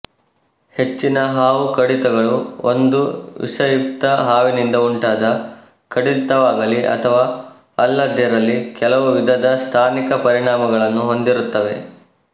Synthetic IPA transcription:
he̞t͡ʃːinɐɦaːʋukɐɽit̪ɐɡɐɭuo̰nd̪uʋḭʂɐjup̚t̪ɐɦaːʋinind̪ɐuɳʈaːd̪ɐ | kɐɽit̪ɐʋaːɡɐliʔɐ̰t̪ʰɐʋaː | ɐlːɐd̪ʱjɐɾɐlːikɛlɐʋuʋid̪ʱɐd̪ɐst̪ʰaːnikɐpɐɾiɳaːmɐɡɐɭɐnːuɦo̞nd̪iɾut̪ːɐʋe̞̰

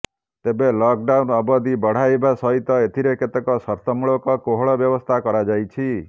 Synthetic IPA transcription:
t̪ebelɔk̚ɖawnɔbɔd̪ibɔɽ̤ajbasɔɦit̪ɔet̪ʰiɾeket̪ekɔsɔɾt̪ʰɔmuɭokɔkoɦɔɭɔbjɔbɔst̪ʰakɔɾad͡ʒajt͡ʃʰi

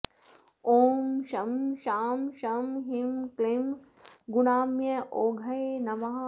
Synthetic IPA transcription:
oːmʃɐmʃaːmʃɐmɦimklim | ɡunaːmjɐʔoːɡʱɐjnɐʋaː

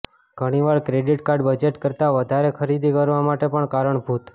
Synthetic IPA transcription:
ɡ̥ʱəɽ̃iʋaɭkɾeɖiʈkaɾɖbəd͡ʒeʈkəɾt̪aʋəd̪ʱaɾekʰəɾid̪ʱikəɾʋamaʈepəɳkaɾəɳbʱut̪

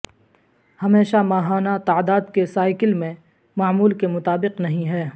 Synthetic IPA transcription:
hɐmeːʃamaːɦaːnat̪aːd̪aːd̪kesaːɪkɪlmẽ | maːmuːlkemʊt̪aːbɪqnɐɦĩɦɛː

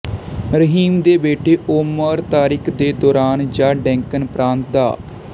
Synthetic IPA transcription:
ɾəɦiːmd̪eːbeːʈeːʔoːməɾt̪aːɾɪːkʰd̪eːd̪ɔːɾaːnd͡ʒaːɖɛ̃ːŋkənpɾãːnt̪̚d̪a̰ː

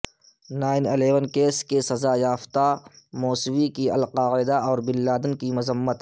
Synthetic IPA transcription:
naːɪneleːʋənkeːskesɐzajaːft̪a | moːswikiɐ̰lqaːɪd̪aɔːɾbɪlːaːd̪ənkimʊzəmːət̪

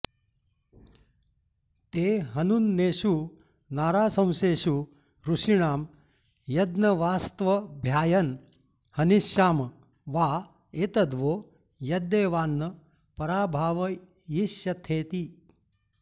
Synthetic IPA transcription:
t̪eːɦɐnunːeːʃu | naːɾaːsɐ̃w̃seːʃu | ɾuʃiɳaːm | jɐd̪nɐʋaːst̪ʋɐbʱjaːjɐn | hɐniʃjaːm | ʋaː | eːt̪ɐd̪ʋoː | jɐd̪eːʋaːnːɐ | pɐɾaːbʱaːʋɐ | jiʃjɐt̪ʰeːt̪i

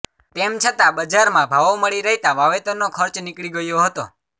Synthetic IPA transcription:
t̪emt͡ʃʰət̪ãbəd͡ʒaɾmãbʱaʋoməɭiɾəɦit̪ãʋaʋet̪onːokʰəɾt͡ʃnɪkɭiɡəjoɦət̪o̰

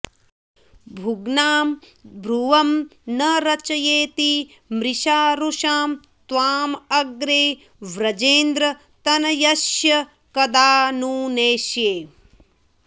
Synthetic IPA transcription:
bʱuɡnaːm | bʱɾuʋɐmnɐɾɐt͡ʃɐjeːt̪i | mɾiʃaːɾuʃaːm | t̪ʋaːmɐɡɾeː | ʋɾɐd͡ʒeːnd̪ɾɐ | t̪ɐnɐjɐʃjɐ | kɐd̪aːnuːneːʃjeː

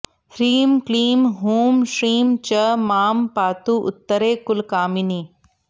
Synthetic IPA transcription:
hɾiːmkliːmɦuːmʃɾiːmt͡ʃɐmaːmpaːt̪uʔʊ̰t̪ːəɾeːkʊlkaːmini

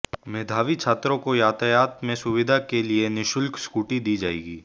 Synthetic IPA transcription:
meːd̪ʱaːʋit͡ʃʰaːt̪ɾõkojaːt̪ajaːt̪mẽsʊʋɪd̪ʱakelienɪʃʊlkskuːʈid̪iːd͡ʒaːḛːɡiː

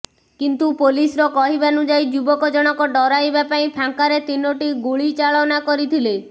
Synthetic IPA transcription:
kint̪upolisɾɔkɔɦibanud͡ʒajd͡ʒubɔkɔd͡ʒɔɽ̃ɔkɔɖɔɾajbapaĩpʰaŋkaɾet̪inoʈiɡuɭit͡ʃaɭɔnakɔɾit̪ʰile

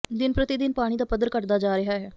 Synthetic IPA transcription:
d̪ɪnpɾət̪ɪd̪ɪnpaːɽ̃iːd̪aːpəd̪əɾkəʈd̪aːd͡ʒaːɾɪɦaːɦɛː

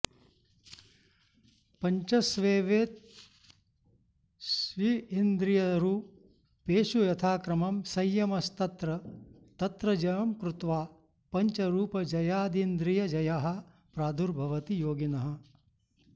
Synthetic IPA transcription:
pɐɲt͡ʃɐsʋeːʋeːt̪̚ | sʋiind̪ɾijɐɾu | peːʃujɐt̪ʰaːkɾɐmɐmsɐjːɐmɐst̪ɐt̪ɾɐ | t̪ɐt̪ɾɐd͡ʒɐjɐmkɾut̪ʋaː | pɐɲt͡ʃɐɾuːpɐd͡ʒɐjaːd̪ind̪ɾijɐd͡ʒɐjaɦɐ̆ | pɾaːd̪ʱuɾbʱɐʋɐt̪ijoːɡinɐɦɐ̆

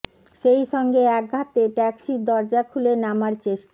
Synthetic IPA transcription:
ʃejʃɔŋɡeɛk̚ɡʱat̪eʈɛksid̪ɔɾd͡ʑakʰulenamaɾt͡ɕeʃʈa

